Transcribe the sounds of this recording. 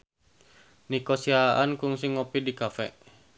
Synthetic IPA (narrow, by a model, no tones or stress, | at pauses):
nikɔsiaʔankuŋsiŋːɔpidikafɛʔ